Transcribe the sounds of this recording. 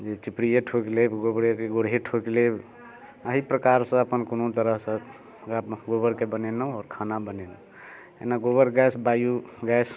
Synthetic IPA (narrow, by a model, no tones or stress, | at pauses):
d͡ʒet͡ʃipɾijeʈʰoklebɡobɾekeɡoɽ̤ɦeʈʰokleb | əɦipɾəkaɾsə̃əpənkonot̪əɾəɦsə̃ | ɡabɡobəɾkebənenəɔːɾkʰanabənenə | ḛnaɡobəɾɡɛsbajuɡɛs